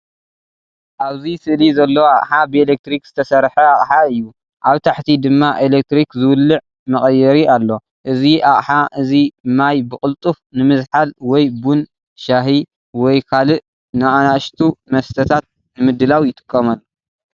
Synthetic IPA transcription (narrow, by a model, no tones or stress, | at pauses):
ʔaβzisɨʔlizɐlːɐwaχʼħabɨelek̚t̪ɾikz̥ɨt̪ʰɐsɐɾħɐaχʼħaɨjːu | ʔaβt̪ʰaħt̪ʰid̪ɨmːaʔelek̚t̪ɾikzɨwɨlːɨʕ | mɐχʼɐjɛɾialːo̞ | ʔɨziʔaχʼħaʔɨzimːajbɨχʼɨlt̪ʼufnɨmɨzħalwɔjbun | ʃaɦi | wɔjkʰalɨʔ | nɨʔanaʔʃt̪ʰumɐst̪ʰɐt̪ʰat̪̚ | nɨmɨd̪ːɨlawjɪt̪ʼɨ̥kʼːɐmalː